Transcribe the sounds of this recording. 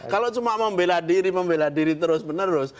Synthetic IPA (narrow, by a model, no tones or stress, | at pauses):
kalot͡ʃumaməmbeladiɾiməmbeladiɾit̪əɾʊsbənəɾʊs